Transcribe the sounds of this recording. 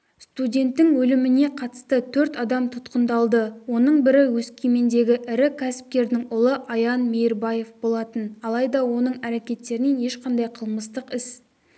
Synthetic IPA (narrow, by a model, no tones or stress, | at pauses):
st̪udʲe̞nt̪ːɪŋwɵlɪmɪne̞qʰɑt̪ə̥st̪ət̪ʰɵɾt̪ɑd̪ɑmt̪ʰʊt̪qənd̪ɑlˠd̪əwo̞nəɴbɪɾɪwɵskʲeme̞nd̪e̞ɡʲɪʔɪɾɪkʲʰæsɪ̥p̚k̪ʲe̞ɾd̪ɪŋʊlˠəʔɑjɑnmejɾbɑje̞fbo̞lˠɑt̪ənɑlˠɑjd̪ɑwo̞nəɴæɾekʲe̞t̪ːe̞ɾɪne̞ne̞ʃqʰɑnd̪ɑjqʰəlˠməst̪əqɪs